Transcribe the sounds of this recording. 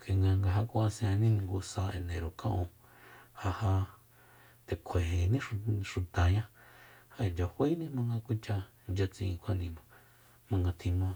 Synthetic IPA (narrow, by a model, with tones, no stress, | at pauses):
kʰe˨ŋɡa˧ŋɡa˧ɦa˧kʷã˦a˧sj̃ã˧nĩ˦nĩ˧ŋɡu˧sa˧e˧nẽ˨ɾo˨kã˦ʔõ˧ | ha˧ha˧ | t̪e˨kʷʰe˨ɦe˨nĩ˦˧ʃu˨t̪a˨ɲã˦ha˧e˨nd͡ʒa˧hʷe˦i˦nĩ˦mã˧ŋɡa˧kʷi˦t͡ʃa˧ | nd͡ʒa˧t͡sĩ˧ĩ˧kʷʰa˦˧nĩ˧mã˨ | mã˧ŋɡa˧t̪ʰĩ˧mã˦